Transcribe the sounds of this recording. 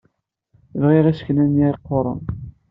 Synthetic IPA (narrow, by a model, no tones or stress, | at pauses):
vʁiʁæsknænjiɾqːoɾˤə̰n